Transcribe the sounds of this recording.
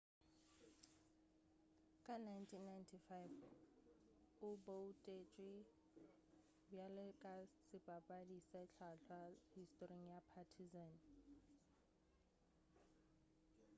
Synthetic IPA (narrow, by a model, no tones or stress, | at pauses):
kʼanajntʰinːajntʰifajv | ʊboutʼet͡ʃʼwi | bjalɪkʼasɪbʼabʼadisɛt͡ɬʰaɬʰwahistʼoriŋ̩japʰatʰizan